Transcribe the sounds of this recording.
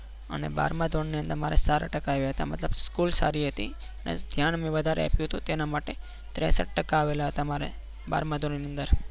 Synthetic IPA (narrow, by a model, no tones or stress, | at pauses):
ə̰neba̰ɾmãd̪ʱoɳːiə̃nd̪əɾmaɾesaɾa̰ʈəkaːʋjaɦət̪a̰mət̪ləbskulsa̰ɾiɦət̪i | ənḛd̪ʱjanmẽʋəd̪ʱaɾḛa̰pjũɦət̪ũt̪enamaʈe | t̪ɾɛsə̰ʈ̚ʈəkaːʋelaɦət̪amaɾḛ | ba̰ɾmãd̪ʱonniənd̪əɾ